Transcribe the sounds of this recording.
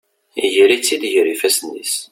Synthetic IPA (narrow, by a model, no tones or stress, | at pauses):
ijəɾit͡sːid̪ʝɾifæsnːḭs